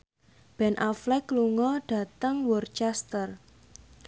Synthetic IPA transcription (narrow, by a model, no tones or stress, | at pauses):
b̥ɛ̤nʔaflɛkːluŋɔɖ̥ä̤t̪əŋwurt͡ʃɛst̪ər